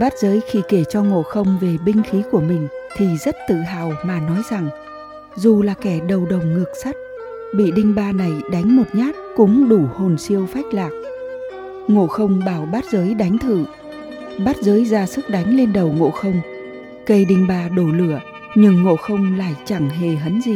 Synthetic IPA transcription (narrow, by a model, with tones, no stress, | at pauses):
ɓaː˦˥t̚zəː˨˦jxi˧ke˧˩t͡ɕɔ˧ŋo̰˧˨xə˧wŋ͡mve˨˩ɓï˧ŋ̟xi˨˦ku˧˩əmï˨˩ŋ̟t̪ʰi˨˩zə˦˥t̚t̪ɨ̰˧˨ɦaː˨˩wmaː˨˩nɔ˨˦jza˨˩ŋ | zu˨˩laː˨˩kɛ˧˩ɗə˨˩wɗə˨˩wŋ͡mŋɨ˨˩ək̚sa˦˥t̚ | ɓḭ˧˨ɗï˧ŋ̟ɓaː˧na˨˩jɗa˨˦jŋ̟mo˨˩t̚ɲaː˦˥t̚kʊ̰˧˥ŋ͡mɗu˧˩ho˨˩nsi˧əwfa˦˥jk̟̚laː˨˩k̚ | ŋo̰˧˥xə˧wŋ͡mɓaː˧˩wɓaː˦˥t̚zəː˨˦jɗa˨˦jŋ̟t̪ʰɨ̰˧˨ | ɓaː˦˥t̚zəː˨˦jzaː˧˩sɨ˦˥k̚ɗa˨˦jŋ̟le˧nɗə˨˩wŋo̰˧˨xə˧wŋ͡m | kə˧˩jɗï˧ŋ̟ɓaː˧ɗo˧˩lɨ˧˩ə | ɲɨ˧ŋːo̰˧˨xə˧wŋ͡mla̰ː˧˨jt͡ɕa˧˩ŋɦe˨˩ɦə˨˦nzi˨˧˩